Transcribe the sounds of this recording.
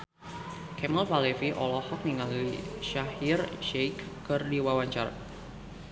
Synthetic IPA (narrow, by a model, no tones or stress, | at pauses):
kɛmalfalɛfiʔɔlɔhɔk̚niŋaliʃahirʃejkːɨrdiwawaɲt͡ʃa̰r